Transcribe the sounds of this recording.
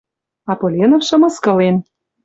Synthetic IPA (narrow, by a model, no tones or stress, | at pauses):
ɑpolʲenofʃɤ̆mɤ̆skɤ̆len